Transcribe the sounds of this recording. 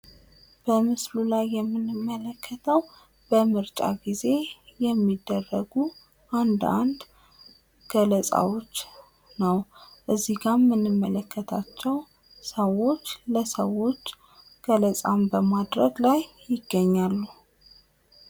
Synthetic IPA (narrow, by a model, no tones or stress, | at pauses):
b̥əmɨslulajːɛmːɨnɨmːələkʰːət̪ʰəw | b̥əmɨɾt͡ʃʼa̰ɡize̞jɛmːid̪ːərːəɡu | ʔand̪a̰nd̪ | ɡ̥ələsʼa̰wo̞t͡ʃː | nəwʔɨzːiɡamːɨnːɨmːələkʰːət̪ʰat͡ʃːɛw | səwo̞t͡ʃːləsəwo̞t͡ʃː | ɡ̥ələsʼambəmad̪ɾəɡlajːɪɡːəɲːalːu